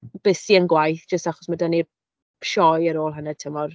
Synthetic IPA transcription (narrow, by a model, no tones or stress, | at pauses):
b̥ɪsiənɡwajθd͡ʒ̥əstaχɔ̥smadani | ʃɔjəɾoːlˠɦənɛd̚tʰəmɔr